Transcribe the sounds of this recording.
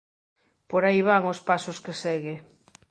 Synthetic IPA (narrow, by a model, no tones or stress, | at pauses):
poɾajβaŋospasoskesɛɣe